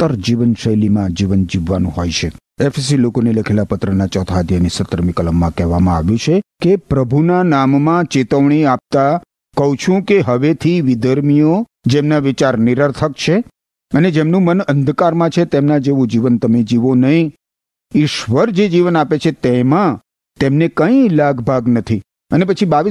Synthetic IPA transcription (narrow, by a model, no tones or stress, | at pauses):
t̪ːəɾd͡ʒiʋənʃəjlimãd͡ʒiʋənd͡ʒiʋːanũɦojt͡ʃʰe | ɛfʰs̬ilokoneləkʰelapət̪ɾənat͡ʃɔt̪ʰad̪ʱjanisət̪əɾmikələmːãkɛɦʋamãa̰ʋjũt͡ʃʰekepɾəbʱunanamːãt͡ʃet̪əʋɳ̃iap̚t̪a | kəɦũt͡ʃʰũkeɦəʋet̪ʰiʋid̪əɾmijo | d͡ʒemnaʋit͡ʃaɾniɾəɾt̪ʰəkt͡ʃʰe | əned͡ʒemnũmənənd̪ʱkaɾmãt͡ʃʰet̪emnãd͡ʒeʋũd͡ʒiʋənt̪əmed͡ʒiʋonəɦĩ | ɪʃʋəɾd͡ʒed͡ʒiʋənapet͡ʃʰet̪emã | t̪emnekə̃ĩlaɡbʱaɡnət̪ʰi | ənep̬ət͡ʃʰibaʋi